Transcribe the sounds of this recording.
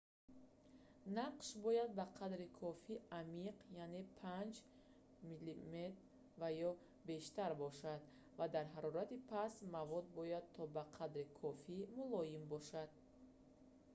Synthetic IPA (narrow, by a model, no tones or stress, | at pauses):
naqʃbɔjad̪̚baqʰad̪ɾikʰɔfiamiqʰjane̞pʰand͡ʒ | milimet̪ | vajɔ | be̞ʃt̪aɾbɔʃad̪ | vad̪aɾɦaɾɔɾat̪ipʰasmavɔd̪̚bɔjad̪̚t̪ʰɔbaqʰad̪ɾikʰɔfimulɔjimbɔʃad̪̥̚